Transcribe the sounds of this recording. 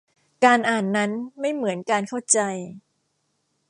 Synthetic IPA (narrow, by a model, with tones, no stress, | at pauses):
kaː˧nʔaː˨˩nːa˦˥nma˥˩jmɯ˩˦ənkaː˧nkʰa˥˩wt͡ɕa˧j